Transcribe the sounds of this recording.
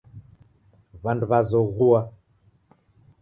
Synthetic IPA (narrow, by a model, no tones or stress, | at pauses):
βanduβazɔɣua